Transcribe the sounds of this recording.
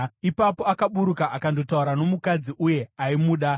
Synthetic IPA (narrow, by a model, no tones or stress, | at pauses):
ipapo̞akaɓuɾukaʔakando̞tauɾano̞mukad͡ziʔuje̞aimuːɗa